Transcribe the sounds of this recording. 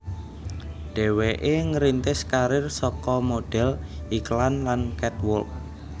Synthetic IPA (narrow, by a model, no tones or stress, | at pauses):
ɖ̥ɛ̤weʔeŋəɾint̪ɪskaɾɪrsɔkɔmoɖ̥ɛ̤lʔiklanlankɛt̪wʊ̰lk̚